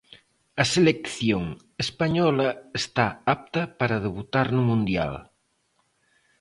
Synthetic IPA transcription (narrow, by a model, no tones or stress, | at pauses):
ɐselekθjoŋ | espaɲɔlɐest̪aap̚t̪ɐpaɾað̞eβut̪aɾnumũnd̪ja̰l